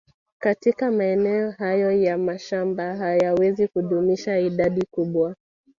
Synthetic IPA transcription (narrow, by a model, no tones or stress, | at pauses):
katikamaɛnɛɔɦajɔjamaʃambaɦajawɛzikuɗumiʃaiɗaɗikuɓwa